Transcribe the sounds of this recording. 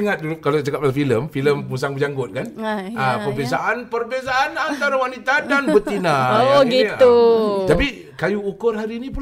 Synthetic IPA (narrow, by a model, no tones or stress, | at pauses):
ŋat̪̚dulkalot͡ʃakap̚alafiləmfiləmmusaŋbəd͡ʒaŋɡʊt̪̚kanapərbesaʔanpərbezaʔːnant̪aɾawanit̪adanbut̪ːinãoɡiuapi | kajuːkʊrɦaɾiːnĩpul